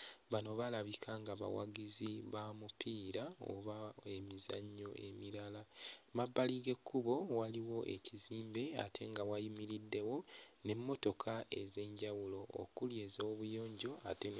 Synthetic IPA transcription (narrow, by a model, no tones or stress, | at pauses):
βano̞βalaβikʰaŋɡaβa̰wa̰ɡiziβamupiːɾao̰βae̞miza̰ɲːo̞ʔe̞̰miɾalamabːaliɡe̞kʰːuβo̞waliwo̞ʔe̞̰ciziːmbe̞a̰tʰe̞ŋɡawajimiɾidːe̞wo̞ne̞mːo̞to̞kʰae̞ze̞ːɲɟawulo̞̰ːkulje̞ːzo̞ːβujo̞ːɲɟo̞aten